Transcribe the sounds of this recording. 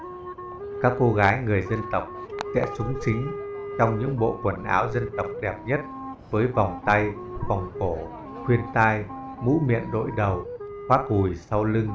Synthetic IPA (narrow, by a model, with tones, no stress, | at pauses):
kaː˦˥kːo˧ɣaː˨˦jŋɨ˨˩əjzə˧nt̪ə˨˩wk͡p̚sɛ̰˧˥sʊ˨˦ŋ͡mt͡ɕï˨˦ŋ̟t͡ɕɔ˧wŋ͡mɲɨ̰˧˥ŋɓo̰˧˨kwə˧˩nʔaː˨˦wzə˧nt̪ə˨˩wk͡p̚ɗɛ˨˩p̚ɲə˦˥t̚ | vəː˨˦jva˨˩wŋ͡mt̪a˧j | va˨˩wŋ͡mko˧˩ | xwi˧ənt̪aː˧j | mṵ˧˥mḭ˧˨ənɗo̰˧˥jɗə˨˩whwaː˦˥k̚hu˨˩jsa˧wlɨ˧ŋ